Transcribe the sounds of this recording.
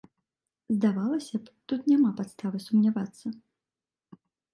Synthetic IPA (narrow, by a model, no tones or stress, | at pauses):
zd̪avalˠɐsʲɐpt̪ut̪nʲamapat̪st̪avɨsumnʲavat̪sːɐ